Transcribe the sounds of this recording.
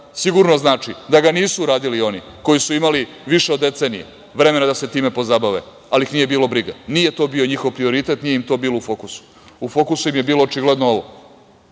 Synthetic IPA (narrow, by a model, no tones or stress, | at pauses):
siɡuɾnoznaːt͡ʃid̪aɡaniːsuuɾaːd̪ilio̞ni | ko̞jisuimali | ʋiʃeod̪ːe̞t̪se̞nijḛ | ʋɾe̞menad̪ase̞t̪iːme̞po̞zabaʋḛ | alixniːje̞biːlobɾiɡa̰nije̞t̪o̞bio̞ɲixo̞ʋpɾio̞ɾit̪e̞t̪nijeimt̪o̞biːlˠoufo̞kusu̥ | ufo̞kusuimje̞biːloːt͡ʃiɡled̪noo̞ʋo̞̰